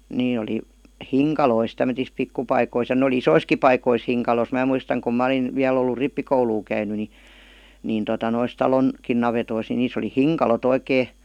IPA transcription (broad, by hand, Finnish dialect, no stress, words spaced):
neː oli hiŋkɑlois tæmøtis pikːupɑikois jɑ n oli isoiski pɑikois hiŋkɑlos mæˑ muistɑŋ kum mæ ə̆lin ʋiæl olːu ripːikouluː kæyny ni niˑn totɑ nois tɑlon kin nɑʋetois ni niːs oli hiŋkɑlot oikeː